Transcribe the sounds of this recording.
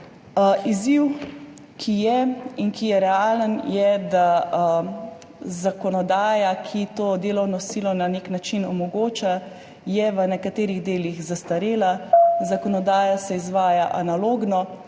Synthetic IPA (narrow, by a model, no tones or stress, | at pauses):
iziw | kʰijɛinkijɛɾɛaːlənjɛd̪a | zakɔnɔd̪aːjakʰit̪oːd̪eːlɔwnɔsiːlɔnaneːknat͡ʃinɔmɔɡoːt͡ʃa | jɛʋənɛkat̪eːɾiɣd̪eːliɣzast̪aɾeːlazakɔnɔd̪aːjasɛizʋaːjaʔanaloːɡnɔ